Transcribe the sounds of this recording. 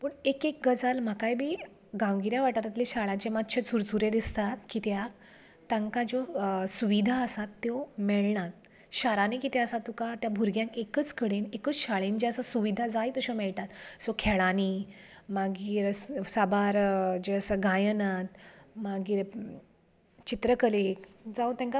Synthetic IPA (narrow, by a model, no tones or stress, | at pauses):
pəɳekek̚ɡəd͡zalm̤akajbʱiː | ɡãwɡiɾjaʋaʈ̪at̪at̪liɕaɭãt͡ɕemat̪ɕʰet͡suɾt͡suɾed̪ist̪at̪kit̪jak | t̪ãŋkad͡ʑosuʋid̪ʱaəsat̪ːjomɛɭɳat̪ | ɕaɾanekit̪eəsat̪ːukat̪jabʱuɾɡjãŋkekət͡skəɽenekət͡sɕaɭend͡ʑeəsasuʋid̪ʱad͡zajt̪əɕomɛɭʈ̪at̪sokʰɛɭaniː | maɡiːɾsabaɾd͡ʑeəsəɡãjənat̪maɡiːɾ | t͡ɕit̪ɾəkəlekd͡zaut̪jãŋka